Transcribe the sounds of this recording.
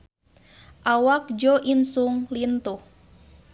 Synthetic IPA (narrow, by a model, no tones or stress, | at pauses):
ʔawak̚d͡ʒɔʔinsuŋlint̪uh